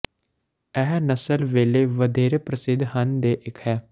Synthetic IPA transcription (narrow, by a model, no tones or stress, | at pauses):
ɛɦnəsəlʋeːleːʋəd̪eːɾeːpɾəsɪd̪ʱhənd̪eːʔɪkʰhɛː